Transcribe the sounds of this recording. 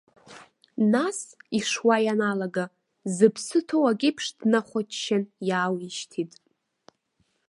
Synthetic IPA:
nasiʂwajanalaɡa | zɨpʰsɨtʰowaɡʲɪpʰʂdnaχʷat͡ʃʰʃanjaːwiʃtʰitʼ

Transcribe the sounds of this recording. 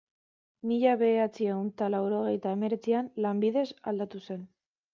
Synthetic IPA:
miʎaβe̞ːɾat͡siewnt̪alawɾo̞ɣ̞e̞jt̪ae̞me̞ɾe̞t͡sianlambiðe̞sa̰ld̪at̪use̞n

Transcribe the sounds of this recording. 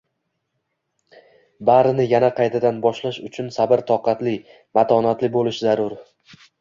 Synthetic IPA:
baɾɪnɪjanaqʰɑjt̪ʰad̪anbɒʃlaʃʊt͡ʃʰʊnsabɪɾt̪ʰɒqʰɑt̪lɪ | mat̪ʰɒnat̪lɪbolɪʃzaɾʊɾ

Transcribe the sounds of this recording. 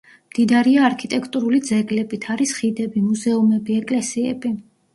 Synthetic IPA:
md̪̥id̪aɾiaːɾkʰit̪ʼɛkʰʼt̪ʼuɾulid̪zɛɡlɛbit̪ʰaɾisχid̪ɛbimuzɛumɛbiɛkʼlɛsiɛbi

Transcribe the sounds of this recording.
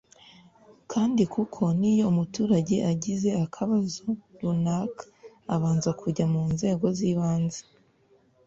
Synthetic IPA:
kʰaːndikukʰo̞nijo̞umutuːɾaɟe̞ʔaɟize̞akʰaβazoɾunaːkʰḁ | aβaːnzakʰuɟamuːnze̞ːɡo̞ziːβaːnzḁ

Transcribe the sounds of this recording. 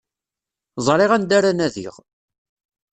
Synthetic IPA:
zˤɾˤeʁænd̪aɾænæðḭʁ

